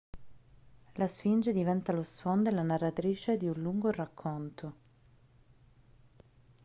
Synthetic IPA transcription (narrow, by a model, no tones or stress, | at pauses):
lasfind͡ʒed̪ivɛnt̪alosfond̪elːanarːat̪ɾiːt͡ʃed̪iunluŋɡorakʰːont̪ʰo